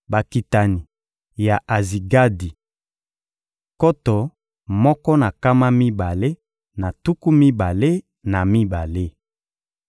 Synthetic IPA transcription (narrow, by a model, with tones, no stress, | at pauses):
ba˨ki˨ta˨ni˨ | ja˨ʔa˨zi˨ɡa˦di˨ | kɔ˦tɔ˨ | mɔ˦kɔ˦na˨ka˦ma˦mi˦ba˨le˦ | na˨tu˦ku˦mi˦ba˨le˦ | na˨mi˦ba˨le˦